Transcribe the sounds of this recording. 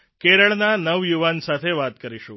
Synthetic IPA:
keɾəɭnanəʋjuʋansat̪ʰeʋat̪kəɾiʃṵ̃

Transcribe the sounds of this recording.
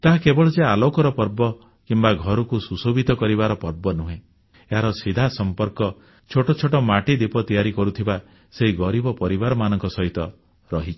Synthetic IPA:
t̪aɦakebɔɭɔd͡ʒealokɔɾɔpɔɾbɔ | kimbaɡʱɔɾɔkususobʱit̪ɔkɔɾiβaɾɔpɔɾbɔnuɦẽ | eɦaɾɔsid̪ʱasɔmpɔɾkɔ | t͡ʃʰoʈɔt͡ʃʰoʈɔmaʈid̪ipɔt̪ijaɾikɔɾut̪ʰiba | seɦiɡɔɾibɔpɔɾibaɾɔmanɔ̃ŋkɔsɔɦit̪ɔ | ɾɔɦit͡ʃʰi̥

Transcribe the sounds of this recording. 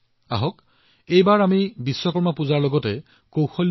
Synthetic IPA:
aɦɔk | ejbaɹamibisːɔkɔɹmapuzaɹlɔɡɔtɛ | kowxɔl

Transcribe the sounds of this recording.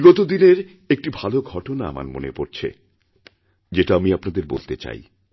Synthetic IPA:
lot̪od̪ineɾ | ek̚ʈibʱaloɡʱɔʈonaa̰ma̰ɾmo̰nepoɾt͡ɕʰḛ | d͡ʑeʈaamiapnad̪eɾbo̰lt̪et͡ɕa̰j

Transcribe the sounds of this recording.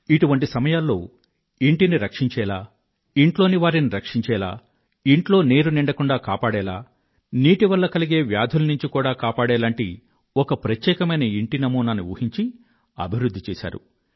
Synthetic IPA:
iʈuʋɐɳʈisɐmɐjaːlːo̞̰ː | iɳʈiniɾɐkʂiɲt͡ʃɛːlaː | iɳʈlo̞ːniʋaːɾiniɾɐkʂiɲt͡ʃɛːla̰ː | iɳʈlo̞ːne̞ːɾuniɳɖɐkuɳɖaːkaːpaːɽɛːlaː | niːʈiʋɐlːɐkɐliɡe̞ːʋjaːd̪ʱulɐnuɲt͡ʃikuːɽaːkaːpaːɽɛːlaːɳʈi | ɔkɐpɾɐt̪jɛːkɐmɐjnɐiɳʈinɐmuːnɐnːuʋṵːhiɲt͡ʃi | ɐ̰bʱiɾud̪ʱːit͡ʃɛːʃa̰ːɾṵ

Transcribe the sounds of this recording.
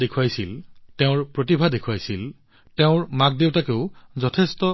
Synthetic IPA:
ekʰuwajsilteʊ̃ɹpɹotibʱadekʰuwajsil | teʊ̃ɹmak̚deʊtakeʊzɔtʰestɔ

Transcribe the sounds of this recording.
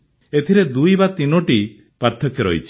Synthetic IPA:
et̪ʰiɾed̪ujbat̪inɔʈi | paɾt̪ʰɔkjɔɾɔ̰ɦit͡ʃʰi̥

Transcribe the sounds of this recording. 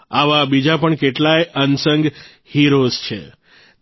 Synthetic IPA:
aʋabid͡ʒapəɳkeʈlajʔənsəŋɡ | hiɾost͡ʃʰḛ

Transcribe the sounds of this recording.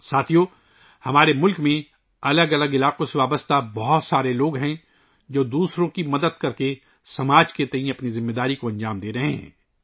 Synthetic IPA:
saːt̪ʰijoː | hɐmaːɾemʊlkmẽ | ɐləɡɐləɡɪlaːqõseʋaːbəst̪abɔɦɔt̪saːɾeloːɡɦɛ̃ | d͡ʒoːd̪uːsɾõkimɐd̪əd̪̚kɐɾke | sɐmaːd͡ʒket̪ɐĩɐpnizɪmːeːd̪aːɾikoɐ̃ɲd͡ʒaːmd̪eːɾɐɦḛɦɛ̰̃ː

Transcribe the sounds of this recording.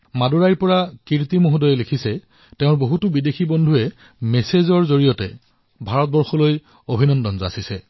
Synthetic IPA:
maduɹajɹpɔɹakiɹtimoɦudɔjɛlekʰisɛ | teʊ̃ɹboɦutʊbidexʰibɔndʱuɛ | mɛsezɔɹzoɹijɔtɛ̰ | bʱaɹɔt̚bɔɹxɔloj | obʱinɔndɔnzɔa̰sisɛ

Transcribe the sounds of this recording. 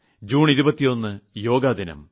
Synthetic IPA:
d͡ʑuːɳiɾubɐt̪ːijo̞nːɨjo̞ːɡaːd̪ʱinɐ̰m

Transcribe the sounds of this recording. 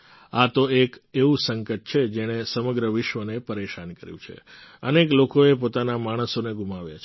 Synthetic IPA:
at̪oekeʋũsəŋkət̪̚t͡ʃʰed͡ʒeɽ̃esəməɡɾəʋɪʃʋənepəɾeʃankəɾjṵ̃t͡ʃʰḛəneklokoep̬ot̪anamaɽ̃əsoneɡʱumaʋja̰t͡ʃʰ

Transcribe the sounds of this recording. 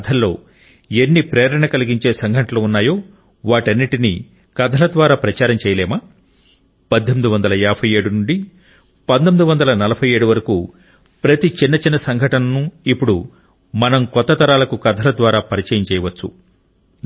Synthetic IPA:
d̪ʰʱɐlːo̞ː | enːipɾeːɾɐɳɐkɐlɐɡiɲt͡ʃe̞ːsɐŋɡʱɐʈɐluːunːaːjo̞ː | ʋaːʈɐnːiʈinḭ | kɐd̪ʱɐlɐd̪ʋaːɾaːpɾɐt͡ʃaːɾɐmt͡ʃɛːjɐlɛːmaː | pɐd̪ʱːomid̪uʋɐnd̪ɐlɐɛːpʰɐjeːɽunuɳɖi | pɐd̪t̪omid̪uʋɐnd̪ɐlɐnɐlɐbʰʱɐjeːɽuʋɐɾɐkuː | pɾɐt̪it͡ʃinːɐt͡ʃinːɐsɐŋɡʱɐʈɐnɐnuipːuɽu | mɐnɐmkɔt̪ːɐt̪ɐɾaːlɐkukɐd̪ʱɐlɐd̪ʋaːɾaːpɐɾit͡ʃɐjɐmt͡ʃɛːjɐʋɐt͡ʃːṵ

